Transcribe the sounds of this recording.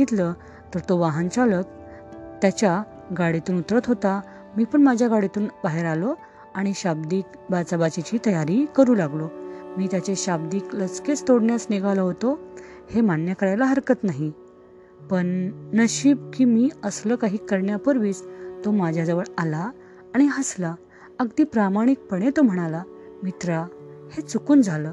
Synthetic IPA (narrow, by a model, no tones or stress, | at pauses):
it̪lə | t̪əɾt̪oʋaɦant͡salək̚ | t̪jat͡ɕja | ɡaɽit̪uːnut̪ɾət̪ɦot̪a | miːpəɳmad͡ʑʱjaɡaɽit̪uːnbaɦeɾalo | aɽ̃iɕabd̪iːk | bat͡sabat͡ɕit͡ɕiːt̪əjaɾiːkəɾuːlaɡlomiːt̪jat͡ɕeɕab̚d̪iːklət͡sket͡st̪oɽɳjasneɡaləɦot̪ohemanjəkəɾajlaɦəɾkət̪naɦi | pəɳːəɕiːb̚kiːmiːəsləːkaɦiːkəɾɳjapəɾʋiːt͡st̪omad͡ʑʱjad͡zəʋəɭalaː | ɽ̃iəsla | əɡd̪iːpɾamaɽ̃ik̚pəɽ̃et̪om̤əɽ̃ala | mit̪ɾahet͡sukuːnd͡zʱaləː